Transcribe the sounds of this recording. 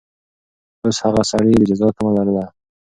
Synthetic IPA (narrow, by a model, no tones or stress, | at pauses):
oshaɣasaɽed̪əd͡ʒazɑk̪amalaɾəla